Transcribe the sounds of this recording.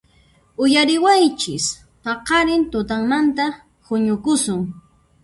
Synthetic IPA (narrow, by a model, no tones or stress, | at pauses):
ʊjaɾɪwajt͡ʃɪs | pɑqɑɾɪnt̪ʊt̪̬aŋmant̪a | hʊɲʊkʊsʊŋ